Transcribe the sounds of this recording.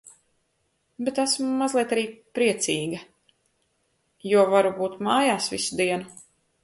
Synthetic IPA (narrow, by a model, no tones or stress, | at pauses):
bet̪asmːazlˠiɛt̪aɾiːpɾiɛt̪siːɡɐ | juɔvaɾubuːt̪maːjaːsvisud̪iɛnu